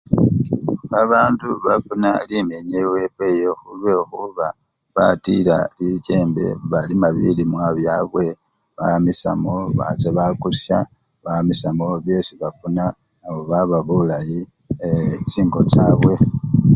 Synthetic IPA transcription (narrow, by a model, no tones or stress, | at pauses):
aβaːnduβafuna̰limeɲewe̞pe̞ːjo̞xulwe̞ːxuβa | βatila̰lice̞ːmbe̞̰βalimaβilimwaβjaβwe̞ | βamisa̰moβa̰t͡seβakusja | βamisamo̞βje̞ːsiβafunaː | βoβaβaβulaji | et͡ʃiːŋɡo̞t͡ʃaːβwe̞